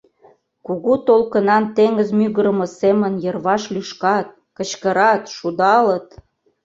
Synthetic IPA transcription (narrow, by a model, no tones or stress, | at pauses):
kuɣut̪olkə̆nɑnt̪eŋə̆zmyɣəɾəmɤ̆semənjərβɑʃlyʃkɑt̪̚ | kə̆t͡ɕkəɾɑt̪ʃud̪ɑlət̪